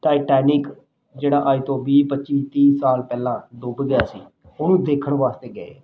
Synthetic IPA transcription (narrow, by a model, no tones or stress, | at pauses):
ʈaːɪʈɛːnɪk | d͡ʒeːɽaːʔaːiːt̪õːbiːpətːt͡ʃiːt̪ĩːsaːlpɛːlãːd̪oːbɡɪjaːsḭː | ʊnũːd̪eːkʰəɳʋaːst̪eːɡəḛː